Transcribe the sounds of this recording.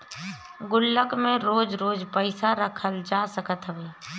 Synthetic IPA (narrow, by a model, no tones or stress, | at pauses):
ɡʊlːəkmẽɾoːd͡ʒɾoːd͡ʒpəɪsaɾəkʰəld͡ʒaːsəkət̪ɦəʋeː